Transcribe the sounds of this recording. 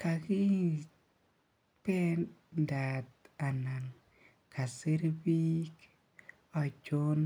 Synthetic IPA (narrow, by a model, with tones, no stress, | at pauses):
ka˨ki˦ | pɛ˦nda˨ta˨na˨ŋ | ka˨si˦ɾbi˦k | ɔ˨d͡ʒo˦n